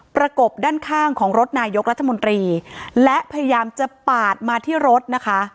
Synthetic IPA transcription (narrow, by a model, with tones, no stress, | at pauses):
pɾa˧ko˨˩p̚daː˥˩nkʰaː˥˩ŋkʰɔː˩˦ŋɾo˦˥t̪̚naː˧jo˦˥k̚ɾa˦˥t̪ʰːa˧mo˧nt̪ɾiː˧lɛ˦˥ʔpʰa˧ja˧jaː˧mt͡ɕa˨˩paː˨˩t̪̚maː˧t̪ʰiː˥˩ɾo˦˥t̪̚na˦˥kʰa˦˥ʔ